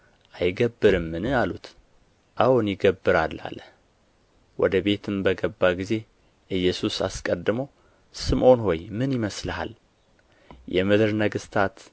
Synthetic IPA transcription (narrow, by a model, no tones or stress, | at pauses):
ʔajɡəbːɨɾɨmːɨnɨalut̪ | ʔawnjɪɡəbːɨɾalːa̰lːəh | wɔ̰d̪əbe̞t̪ʰɨmbəɡəbːaɡize̞ | ʔɨjːɛsusa̰skʼəd̪ːɨməw | sɨmʔo̞nho̞jmɨnjɪməslha̰l | jɛmɨd̪ɨɾnəɡɨst̪ʰat̪